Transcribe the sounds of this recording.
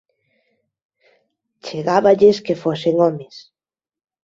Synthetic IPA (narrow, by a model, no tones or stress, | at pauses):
t͡ʃeɣaβaʎeskefoseŋɔmes